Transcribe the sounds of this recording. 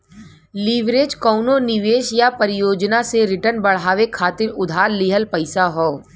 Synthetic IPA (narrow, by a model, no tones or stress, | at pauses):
liʋɾeːd͡ʒkɔʊnonɪʋeːʃjapəɾɪjoːd͡ʒnaseɾɪʈənbɐɽ̤aːʋekʰaːt̪ɪɾʊd̪ʱaːɾlɪɦəlpɐɪsaɦoː